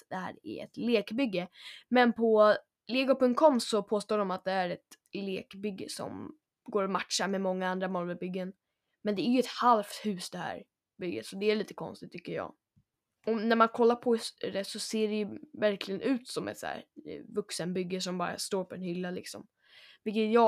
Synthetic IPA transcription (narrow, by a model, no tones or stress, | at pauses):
d̪̥ɛhæ̰ːɾæ̰ɛ̰t̪leːkbʏɡːəmɛnpʰɔ | leːɡʊpɵŋt̪kʰɔmsɔpʰoːst̪oːɖɔmat̪̚d̪ɛæɾɛt̪ | lḛːkbʏɡːə̰sɔ̰m | ɡoːɾɔmat̪ʂaɾmɛmɔŋːaand̪ɾamɔlbɛbʏɡːən | mɛnd̪ɛæɾjɵɛt̪halft̪hʉ̟ːsd̪ɛhæ̰ːɾ | bʏɡːə̰t̪sɔd̪ɛæɭiːt̪ə̥kʰɔ̰nst̪ɪt̪ʰːʏkːəjɑ̰ː | ɔnæɾmankʰɔlːaɾpʰɔd̪ɛsɔseːɖɛjɵvæɾklɪɡənʔʉ̟ːt̪sɔmʔɛ̰t̪sæ̰ːɾvɵksənbʏɡːəʂɔmbɑ̰ːɾa̰st̪oːɾpʰɔɾɛnhʏlːalɪ̰ksɔ̰m | vɪlkːət̪jɑː